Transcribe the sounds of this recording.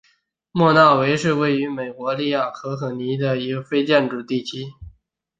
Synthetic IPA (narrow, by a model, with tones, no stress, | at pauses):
mwɔ˥˧nɑ˥˩ʊwe˧˥ɪʂɻ̩˥˧we˥˩ɪy˧˥me˨˩ɪkwɔ˧˥li˥˧ja˥˩xɤ˧˥xɤ˧˥ni˧˥d̪ə˧i˧˥ɡə˧fe˥ɪt͡ɕjɛ˥˩nʈ͡ʂu˨˩t̪i˥˩t͡ɕʰy˥